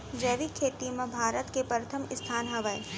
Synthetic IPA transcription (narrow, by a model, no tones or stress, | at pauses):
d͡ʒeːʋikʰːeːt̪imẽbʱaːɾət̪kepɾɐt̪ʰəmɪst̪ʰaːnɦɐʋəe